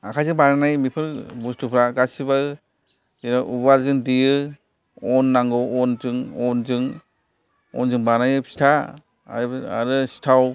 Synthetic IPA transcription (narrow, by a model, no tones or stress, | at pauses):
akʰajzɯŋbaɾanajmipʰɯɾbustʰupʰɾaɡasiba | inaʔubalzɯŋdijɯ | ɔnːaŋɡɔɔnzɯŋɔnzɯŋ | ɔ̰nzɯŋbanajɯpsi̥tʰa̰ | a̰ɾɯsi̥tʰaw